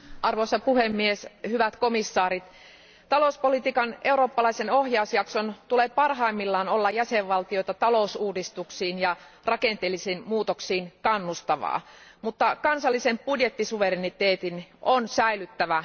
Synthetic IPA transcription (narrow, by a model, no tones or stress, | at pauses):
ʔɑrʋoisɑpuhemːieshyʋæt̪komisːɑːɾit̪ | t̪ɑlouspolit̪iːkɑnʔe̞uɾoːpːɑlɑisenohjɑusjɑksont̪ulepɑrɦɑimːilːɑːnolːɑjjæseʋːɑlt̪io̞jt̪ɑt̪ɑlousuːdist̪uksiːnjɑ | rɑkent̪elːisiːnmuːt̪oksiːnkɑnːust̪ɑʋɑ̰ːmut̪ːɑkɑnsɑlːisempudjet̪ːisuʋerinit̪eːt̪inʔonsæilyt̪ːæʋæ